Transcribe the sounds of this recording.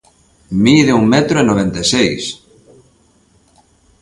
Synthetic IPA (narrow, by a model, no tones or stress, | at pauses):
milðeuŋmɛt̪ɾoenoβ̞ẽnt̪esejs